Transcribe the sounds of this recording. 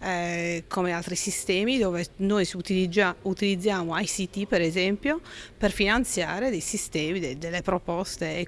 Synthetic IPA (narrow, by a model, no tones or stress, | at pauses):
ɛkʰomealt̪ɾisist̪ɛːmid̪oːvenojsut̪iid͡ʒaut̪ilid̪zːjaːmoajsit̪ipɛɾɛzɛmpjoperfinant̪sjaːɾed̪ejsist̪ɛːmid̪ed̪elːepɾopɔst̪e